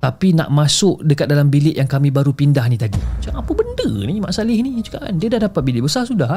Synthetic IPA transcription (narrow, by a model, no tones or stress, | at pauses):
t̪apina̰ʔmasʊʔdəkat̪̚dalambilɪʔjaŋkamĩbaɾupindahnĩt̪adḭt͡ʃuaŋapəbəndənima̰ʔsalɪhnid͡ʒukaʔndiədahdapat̪̚bilɪʔbəsasudah